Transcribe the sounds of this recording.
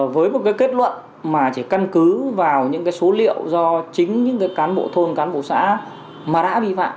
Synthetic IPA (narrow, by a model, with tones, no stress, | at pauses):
vəː˨˦jmo˨˩t̚kaː˨˦jke˦˥t̚lwə̰˧˨n | maː˨˩t͡ɕe˧˩ka˧nkɨ˨˦vaː˨˩wɲɨ̰˧˥ŋkaː˨˦jso˨˦lḭ˧˨əwzɔ˧t͡ɕï˨˦ŋ̟ɲɨ̰˧˥ŋkaː˨˦jkaː˨˦nɓo̰˧˨t̪ʰo˧nkaː˨˦nɓo̰˧˨sa̰ː˧˥ | maː˨˩ɗa̰ː˧˥ɓḭ˧˨fa̰ː˧˨m